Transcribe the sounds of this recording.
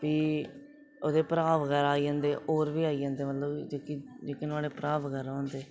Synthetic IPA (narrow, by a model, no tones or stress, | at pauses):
piː | oːd̪eːpɾaːʋkəɾaːiːãːnd̪eːʔoːɾʋiːaːiːãːnd̪eːmət̪ləbd͡ʒoːkid͡ʒeːkɪnaːɽeːpɾaːʋkəɾãːnd̪eː